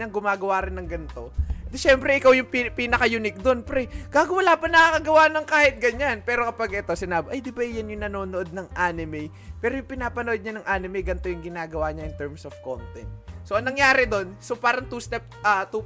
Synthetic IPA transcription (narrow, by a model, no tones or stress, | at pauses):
ɐŋɡʊmaːɡɐwaːɾɪnːɐŋɡɐnt̪o̞d̪ɛʃɛmpɾɛʔɪkawjʊŋpipinɐkɐjunɪk̚d̪o̞npɾɛɡ̥aːɡwɐlaːpɐnɐkakɐɡɐwanɐŋkaːhɪt̪̚ɡɐɲanpɛːɾo̞kɐpaɡʔɛt̪o̞sɪnaːbɪʔɐjd̪ɪbaʔjanjʊŋnɐno̞ːnoʔo̞d̪̚nɐŋʔaːnɪmɛj | pɛːɾojʊŋpɪnaːpɐnoʔod̪ɲanɐŋʔaːnɪmɛjɡɐnt̪o̞jʊŋɡɪnaːɡɐwaːɲɐʔɪnt̪ɛɹmsofko̰nt̪ɛnt̪so̞ʔɐŋnɐŋjaːɾɪd̪o̞nsopaːɾɐŋt̪uːst̪ɛp̚ʔɐt̪u